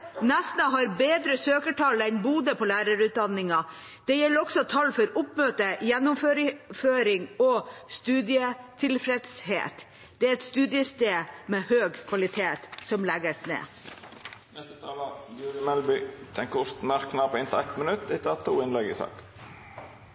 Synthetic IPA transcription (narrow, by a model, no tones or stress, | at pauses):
nɛsnəɦɑɾbeːd̪ɾəsøːkəʈʰɑlæɪnbuːd̪əpʰɔlæːɾɑɾʉːt̪̚d̪ɑnːɪŋɑ | d̪̥ɛjɛlːəɾɔksɔt̪ʰɑlːfɔɾʊpmøːt̪əjɛnːʊmføːɾɪføːɾɪŋɔst̪ʉːd̪ɪət̪ʰɪlfɾɛd̪shḛːt̪ | d̪̥ɛæɛt̪st̪ʉːd̪ɪəst̪eːmɛːhøːɡkʰʋɑlɪt̪ʰeːt̪sɔmlɛɡəsnḛː | nɛst̪ət̪ʰɑːləj̪jʉːɡ̪ɪmɛlbʏt̪ʰɛŋkəʊst̪næɾknɑpɪnt̪ɪæt̪mənʉt̪d̪ɪt̪ʰɑt̪ʰṵːɪnlɛɡɪ̰sɑ̰ːk